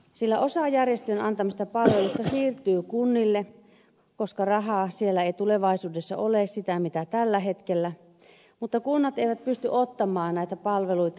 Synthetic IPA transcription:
silːæ̰ʔosɑjærjest̪ynɑnt̪ɑmist̪ɑpɑlʋelust̪ɑsiːrt̪yːkunːilːe | koskɑrɑɦɑsielːæeit̪uleʋɑisuːdesːɑ̰oleːˑssit̪æmit̪æt̪ælːæɦet̪kelːæ | mut̪ːɑkunːɑt̪eiʋæt̪̚pyst̪yʔot̪ːɑmˑɑːnnæˑit̪æpɑlʋeluit̪ɑ

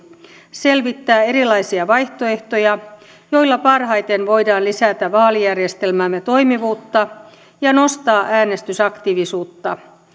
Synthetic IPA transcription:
se̞lʋit̪ːæːe̞ɾilɑjsiɑʋɑjht̪o̞e̞ht̪o̞jɑ | jo̞jlːɑpɑrɦɑjt̪enʋo̞jdɑːnlisæt̪æʋɑːlijærjest̪e̞lmæmːet̪o̞jmiʋuːt̪ːɑ | jɑno̞st̪ɑːʔæːne̞st̪ysɑkt̪iʋisuːt̪ːɑ

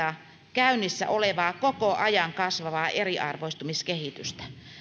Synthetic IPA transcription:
ɑ | kæynːˑisːæ̰ʔoleʋɑːkokoʔɑjɑŋkɑsʋɑʋɑːʔeriʔɑ̰rʋoist̪umiskehit̪yst̪æ̥

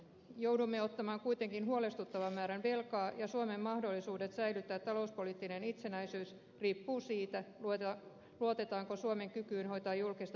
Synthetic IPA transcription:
jowdumːeot̪ːɑmɑːŋkujt̪eŋkinɦuolest̪ut̪ːɑʋɑmːæːɾænʋelkɑːjɑsuomemːɑhdo̞lːisuːde̞t̪sæilyt̪ːæːt̪ːɑlouspolit̪ːinenit̪senæisyːs | riːpːuːsiːt̪æ | luot̪e̞t̪ɑːŋkosuomeŋkykyːnho̞it̪ɑːjulkist̪

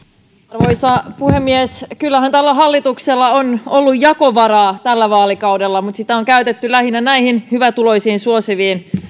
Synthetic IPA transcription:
ɑrʋojsɑpuhemːieskylːæhænt̪ælːæɦɑlːit̪ukselːɑonolːujjɑko̞ʋɑɾɑːt̪ælːæʋɑːlikɑuwdelːɑmut̪sit̪æoŋkæyt̪et̪ːylæhinænæihinhyʋæt̪ulo̞jsiːnsuo̞siʋiːn

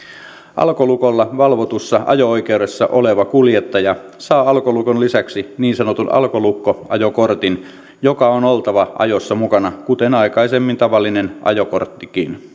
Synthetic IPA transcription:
ʔɑ̰lkolukolːɑʋɑlʋot̪usːɑʔɑ̰jooikeude̞sːɑʔoleʋɑkuljet̪ːɑjɑsɑːɑlkolukonlisæksiniːnsɑnot̪unɑ̰lkolukːoʔɑjokort̪in | jokɑonolt̪ɑʋɑʔɑ̰josːɑmukɑnɑkut̪enɑikɑisemːint̪ɑʋɑlːinenʔɑ̰joko̰rt̪ːikḭːn

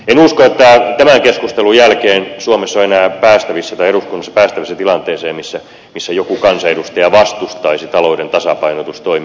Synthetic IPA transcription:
enuskoet̪ːæt̪æmæŋkeskust̪elujælkeːnsuomesːoenæːpæːst̪æʋisːæt̪ɑieɾuskunːɑsːɑ̥pæːst̪æʋisːæt̪ilɑnt̪eːseːmmisːæ | misːæjokukɑnsɑedust̪ɑjɑʋɑst̪ust̪ɑisit̪ɑloudent̪ɑsɑpɑinot̪ust̪oim

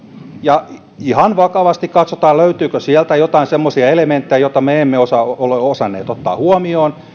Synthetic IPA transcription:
jɑ | ihɑnʋɑkɑʋɑst̪ikkɑt̪sot̪ɑːløyt̪yːkøsiɛlt̪æjot̪ɑinsemːosiɑelement̪ːejæjot̪ɑmeemːeosɑoleosɑnːḛːt̪ot̪ːɑ̰ːhuomioːn

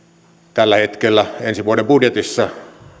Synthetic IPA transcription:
t̪ælːæhet̪kelːæensiʋuodembudjet̪isːɑ

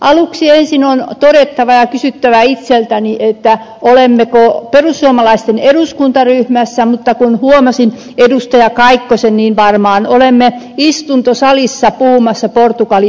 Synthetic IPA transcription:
ʔɑluksiensinont̪odet̪ːɑʋɑjɑkysyt̪ːæʋæit̪selt̪æniʔet̪ːæ | olemːekoperusːuomɑlɑist̪eneduskunt̪ɑryhmæsːæmut̪ːɑkunhuomɑsin | edust̪ɑjɑkɑikːosenniːnʋɑrmɑːnolemːe | ist̪unt̪osɑlisːɑpuhumɑsːɑport̪ukɑli

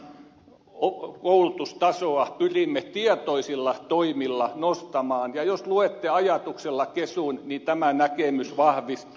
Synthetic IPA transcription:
okoulut̪ust̪ɑsoɑpyrimːet̪iɛt̪oisilːɑt̪oimilːɑnost̪ɑmɑːnjɑjosluet̪ːeɑjɑt̪ukselːɑkesunnit̪æmænækemysʋɑhʋist̪

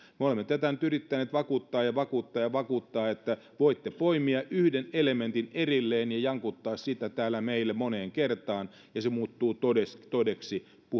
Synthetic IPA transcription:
meolemːet̪æt̪ænyt̪yrit̪ːæneːt̪ʋɑkuːt̪ːɑːjjɑʋɑkuːt̪ːɑːjɑʋɑkuːt̪ːɑːet̪ːæ | ʋoit̪ːepoimiɑʔyhdenelemẽnt̪inerilːeːnjɑjɑŋkut̪ːɑːssit̪ːæt̪æːlæmeilːemoneːŋkert̪ɑːn | jɑsemuːt̪ːuːt̪oest̪odeksi | pu

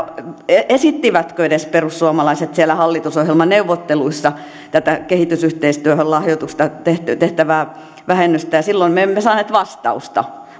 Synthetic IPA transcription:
eesit̪ːiʋæt̪køeɾesperussuɑmɑlɑiset̪sielæhɑlːit̪usohjelmɑneuʋːot̪ːeluisːɑ | t̪æt̪ækehit̪ysyht̪eist̪yæhøllɑhjot̪ust̪ɑt̪eht̪t̪eht̪æʋæː | ʋæhenːyst̪æjɑsilːoimeemːesɑːneːt̪ʋɑst̪ɑ̰ust̪ɑ̰

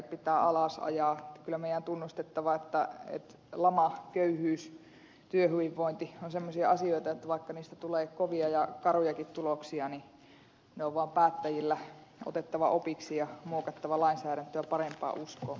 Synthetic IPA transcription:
pit̪æːɑlɑsɑ̰jɑːkylːˑæmeˑijˑænt̪unːust̪et̪ːɑʋɑet̪ːæḛt̪ | lɑmɑkøyhyːs | t̪yøhyʋiʋːoint̪ionsemːosiɑɑsioit̪ɑet̪ːæʋɑˑikːɑniːst̪æt̪uleːkoʋiɑjɑkɑrujɑkit̪t̪uloksiɑni | neoʋʋɑːmpæːt̪ːæjilːæ | ʔo̰t̪et̪ːɑʋɑʔopiksijɑmoːkɑt̪ːɑʋɑlɑinsæːɾænt̪øjɑpɑrempɑ̰ːʔuskoː

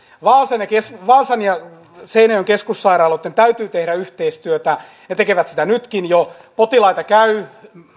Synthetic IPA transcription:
ʋɑːsɑnjɑkesʋɑːsɑnjɑ | seinɑjoŋkeskussɑirɑːlːot̪ːent̪æyt̪yːt̪ehɾæyht̪eist̪yøt̪æ | net̪ekeʋæt̪si̥t̪ænyt̪kinjo | pot̪ilɑit̪ɑkæy

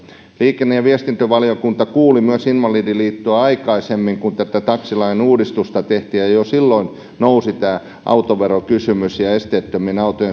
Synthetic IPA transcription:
liːkenːejɑʋiest̪int̪øʋɑliokunt̪ɑkuːlimyøsinʋɑliːdiliːt̪ːoɑɑikɑisemːiŋkunt̪æt̪æt̪ɑksilɑinuːdist̪ust̪ɑt̪eht̪iːjjɑjosilːoin | nousit̪æː | ʔɑ̰ut̪oʋeɾokysymysjɑest̪eːˑt̪ːøminɑut̪oje

